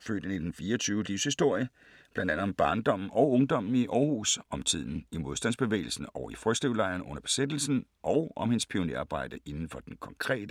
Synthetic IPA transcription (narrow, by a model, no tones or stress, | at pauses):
fø̰ːd̥ənid̥enfiːɐɒt͡sʰyːʊəliʊshisd̥o̝ɐ̰jə | b̥lænd̥ænð̩ˠb̥ɑ̈ːnd̥ɒ̽m̰n̩ɒ̽ʊɔ̽ŋd̥ɒ̽m̰n̩iʔɒːhṵːsɒ̽mt͡sʰið̞̰ˠn̩imo̝ð̞ˠsd̥æn̰sb̥e̝ʋḛːɪl̩sn̩ɒʊifʁœ̥sd̥ʁiʊlɑ̈ɪɐnɔ̽n̰ɐb̥e̝̥sed̥l̩sn̩ʔɒ̽ʊʔɒ̽mhe̝nspʰio̝nḛːɑ̈ːb̥ɑ̈ɪ̰d̥əʔe̝nn̩fɒ̽d̥enkʰɒ̽ŋkʰʁɛ̰ːd̥ə